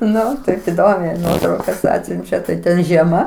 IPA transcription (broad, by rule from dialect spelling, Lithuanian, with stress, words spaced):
ˈnʊ tɐɪp ɪˈdoːmʲɛɪ ˈnuɔtrɐʊkɐs ˈɑːtʲsʲʊnʲt͡ʃʲɛ tɐɪ ˈtʲɛn ʒʲiɛˈmɐ